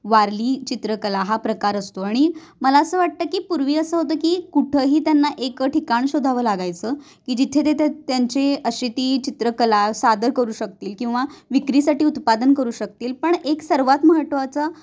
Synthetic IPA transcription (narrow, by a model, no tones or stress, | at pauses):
ʋaɾliːt͡ɕit̪ɾəkəlaɦapɾəkaɾəst̪oaɽ̃iməlaəsəːʋaʈ̚t̪əkiːpuɾʋiːəsəːɦot̪əːkiːkuʈʰəɦiːt̪janːaʔekəʈʰikaɳ̃ɕod̪ʱaʋəːlaɡajt͡səː | kiːd͡ʑit̪ʰet̪et̪t̪jaɲt͡ɕeəɕit̪iːt͡ɕit̪ɾəkəlasad̪əɾkəɾuːɕək̚t̪iːlkĩw̃ʋaʋikɾiːsaʈiːut̪pad̪ənkəɾuːɕək̚t̪iːlpəɳeksəɾʋat̪məɦəʈ̪ʋat͡sa